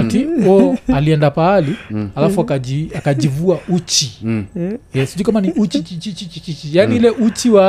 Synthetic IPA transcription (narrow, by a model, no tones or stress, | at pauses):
tiɔaliɛndapaːlialafuakaʄiakad͡ʒivuaut͡ʃi | jɛsiʄuikamaniʔut͡ʃit͡ʃit͡ʃit͡ʃit͡ʃit͡ʃit͡ʃijaniilɛʔut͡ʃiwa